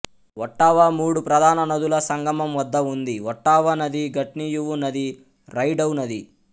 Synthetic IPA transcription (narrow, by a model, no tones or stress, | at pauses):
ɔʈːaːʋɐmuːɽupɾɐd̪ʱaːnɐnɐd̪ulɐsɐŋɡʱɐmɐmʋɐd̪ːɐund̪iwɔʈːaːʋɐnɐd̪iɡɐʈnijuʋunɐd̪i | ɾɐjɖɐwnɐd̪i